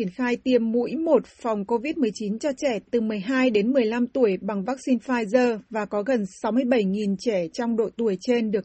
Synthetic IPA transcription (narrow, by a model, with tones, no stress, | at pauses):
i˧˩ənxaː˧jt̪i˧˩əmːṵ˧˥jmo˨˩t̚fa˨˩wŋ͡mko˧vi˦˥t̚mɨ˨˩əjt͡ɕi˨˦nt͡ɕɔ˧t͡ɕɛ˧˩t̪ɨ˨˩mɨ˨˩əjɦaː˧jɗe˨˦nmɨ˨˩əjla˧mt̪u˧˩əjɓa˨˩ŋvaː˦˥k̚si˧nfaː˧jzəː˧vaː˨˩kɔ˨˦ɣə˨˩nsa˨˦wmɨ˧əjɓə˧˩jŋi˨˩nt͡ɕɛ˧˩t͡ɕɔ˧wŋ͡mɗo̰˧˨t̪u˧˩əjt͡ɕe˧nɗɨ˨˩ək